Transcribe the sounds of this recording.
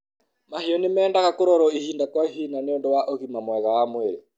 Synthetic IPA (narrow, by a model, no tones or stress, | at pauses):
mahiɔnemɛːndaɣakoɾɔɾɔihiːndakwaiɦinaneondowaʔoɣimamwɛɣawamweɾe